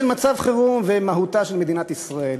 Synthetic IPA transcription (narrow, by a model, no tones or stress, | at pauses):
lmat͡savχeʁumvemaɦut̪aʃelmed̪inat̪isʁael